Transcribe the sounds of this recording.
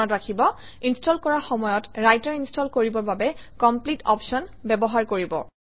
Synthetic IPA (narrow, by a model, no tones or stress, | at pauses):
ɔtɹakʰibɔ | instʰɔlkɔɹaxɔmɔjɔtɹajtɔɹinstʰɔlkoɹibɔɹbabɛkɔmplitɔ̰pʃɔnbɛbɔɦaɹkoɹibɔ̰